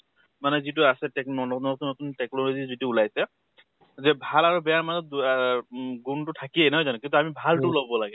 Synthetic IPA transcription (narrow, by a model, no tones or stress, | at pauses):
manɛzitʊasɛtɛknɔnɔnɔt̪unɔt̪untɛknɔlozizitiulajsɛ | zɛbʱalaɹubɛjaɹmazɔt̪̚ | ɡuntʊtʰakienɦɔjzanũkint̪uamibʱaltʊlɔbbɔlaɡɛ